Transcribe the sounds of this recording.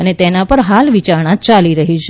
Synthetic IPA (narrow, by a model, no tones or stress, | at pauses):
ənet̪enapəɾɦalʋit͡ʃaɾɳat͡ʃaliɾəɦit͡ʃʰ